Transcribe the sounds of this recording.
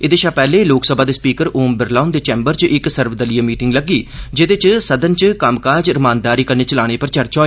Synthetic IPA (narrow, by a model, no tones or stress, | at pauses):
ɪd̪eːʃaːpɛːleːloːksəbaːd̪eːspiːkəɾoːmbɪɾlaːnd̪eːt͡ʃɛːmbəɾt͡ʃʔɪksəɾʋd̪əlijaːmiːʈɪŋɡləɡiːd͡ʒɪd̪ɪt͡ʃsəd̪ənt͡ʃkamkaːd͡ʒɾɪmaːnd̪aːɾiːkəɾneːt͡ʃəlaːɽ̃eːpəɾt͡ʃəɾt͡ʃɔːe